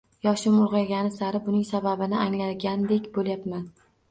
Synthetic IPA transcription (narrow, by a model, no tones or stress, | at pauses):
jɒʃɪmʊlˠʁɑjɡʲanɪsaɾɪbʊnɪŋsababɪnɪaŋlaɡʲand̪e̞kʲbolˠjapman